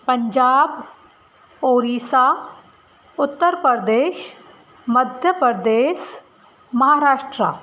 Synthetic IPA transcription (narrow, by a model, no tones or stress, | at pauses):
pəɲd͡ʑaːb | oːɾiːsa | ʊt̪ːəɾpəɾd̪eːʃ | məd̪ʱjəpəɾd̪eːʃ | mɐɦaɾaːʂʈɾa̰